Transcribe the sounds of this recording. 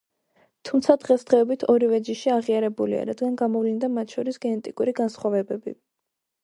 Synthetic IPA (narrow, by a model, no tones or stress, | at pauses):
t̪ʰumt̪sʰad̪ʁɛsd̪ʁɛɔbit̪ʰɔɾivɛd͡ʒiʃiaʁiaɾɛbulḭa̰ɾad̪ɡanɡamɔvlind̪amat̪ʰʃɔɾisɡɛnɛt̪ʼikʼuɾiɡansχwavɛbɛbḭ